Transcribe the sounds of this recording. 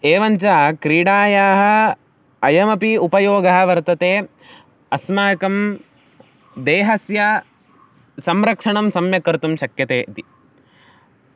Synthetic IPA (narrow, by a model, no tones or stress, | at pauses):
eːʋɐɲt͡ʃaːkɾiːɽaːjaːɦɐ̆ | ɐjɐmɐpiupɐjoːɡɐɦɐʋɐɾt̪ɐt̪eː | ɐsmaːkɐm | d̪eːɦɐsjɐ | sɐmɾɐkʂɐɳɐmsɐmjɐkɐɾt̪umʃɐkjɐt̪eːʔt̪i